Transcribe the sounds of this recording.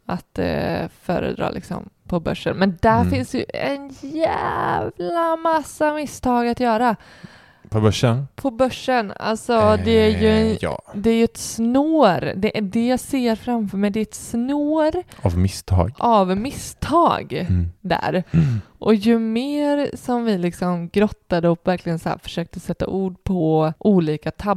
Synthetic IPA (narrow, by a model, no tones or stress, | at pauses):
at̪fœ̰ːɾə̰d̪ɾɑ̰ːlɪ̰ksɔ̰mpʰɔbœ̰ʂːənmɛnd̪æɾfɪnsd̪ɛjɵɛnjævlamasːamɪst̪ʰɑːɡat̪jœːɾa | pʰɔbœʂənpʰɔbœʂːəna̰lsɔd̪ɛæɾjɵɛ̰d̪ɛæɾjɵɛt̪snoːɾd̪ɛʔd̪ɛjɑseːɾfɾamfœːɾmɛjd̪ɛɛt̪snoːɾavmɪst̪ʰɑ̰ːɡʔavmɪst̪ʰɑ̰ːɡd̪æ̰ɾʔɔjɵmeːɾsɔmvɪlɪksɔmɡɾɔt̪ːad̪əɔkvæɾklɪɡənsæ̰ːɾfœ̥ʂøːk̚t̪əsɛt̪ːa̰ʔuːɖpʰɔʔuːliːkat̪ʰab